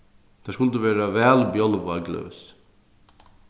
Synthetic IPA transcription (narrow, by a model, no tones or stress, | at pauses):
d̪̥ɛːskʉlt̪əʋɛːɾɐʋæːlbjɔlʋɑɡlø̰ːs